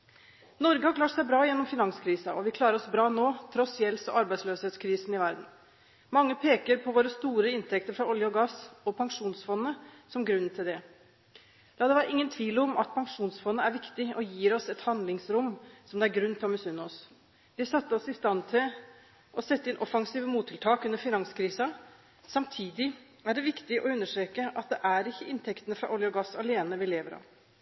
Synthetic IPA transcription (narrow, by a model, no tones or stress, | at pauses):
nɔɾɡəhɑɾklɑːʈsæɪbɾɑːjɛnːɔmfɪnɑŋskʰɾiːsɑɔʋɪkʰlɑːɾəɾɔsbɾɑːnoːt̪ʰɾɔsjɛlsɔ̰ɑɾbæɪd̪sløːsheːt̪skʰɾiːsənɪʋæɾd̪n̩ | mɑŋːəpʰeːkəɾpʰɔʋoːɾəst̪uːɾəɪnt̪ʰɛkt̪əɾfɾɑɔljəɔɡɑsɔpʰɑŋʂuːnsfɔnːəsɔmɡɾʉn̩ːt̪ʰɪld̪ɛ | lɑːd̪ɛʋæːɾəʔɪŋːənt̪ʰʋiːlɔmɑ̰t̪̚pʰɑŋʂuːnsfɔnːəæɾʋɪkt̪ɪɔjiːɾɔsɛt̪hɑnd̪lɪŋsɾʊmsɔmd̪ɛæɾɡɾʉnːt̪ʰɪlɔmɛsʉnːɔs | ʋɪsɑt̪ːəɔsɪst̪ɑnːt̪ʰɪl | ʔɔsɛt̪ːəɪnʔɔfɑŋsiːʋəmuːt̪ʰːɪlt̪ʰɑːkʉnəɾfɪnɑŋskʰɾiːsɑ | sɑmt̪ʰiːd̪ɪ | æɖɛʋɪkt̪ɪʔɔʉnːəʂʈɾeːkəʔɑt̪̚d̪ɛʔæɾɪçːəʔɪnt̪ʰɛkt̪ənəfɾɑ̰ʔɔljəɔɡɑsɑleːnəʋɪleːʋəɾɑ̰ːʋ